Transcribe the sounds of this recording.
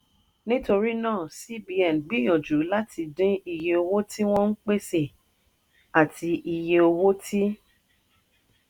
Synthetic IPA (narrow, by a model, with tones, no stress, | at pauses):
nĩ˦to˧ɾi˦nãː˦˨si˦bi˧ɛ˨n˨ɡ͡bi˦jɔ̃˨d͡ʒu˨˦la˦tʰi˧dĩ˦i˧je˧o˧wo˦ti˦w̃ɔ̃˦n̩˦k͡pe˦se˦˨ | a˨ti˧ʔi˧je˧o˧wo˦ti˦